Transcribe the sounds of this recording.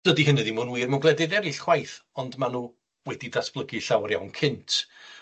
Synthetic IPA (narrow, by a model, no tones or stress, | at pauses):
d̥ədiɦɪnɛðimʊnwiːrmanɡlˠɛdɪdɛɾɪɬχwajθɔndmanuː | wɛdidasb̥lˠəɡɨɬawrja̰wnkʰɪntʰ